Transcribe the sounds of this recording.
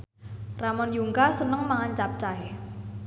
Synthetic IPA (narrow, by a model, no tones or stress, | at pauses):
ramɔnjuŋkasənəŋmaŋaɲt͡ʃap̚t͡ʃaj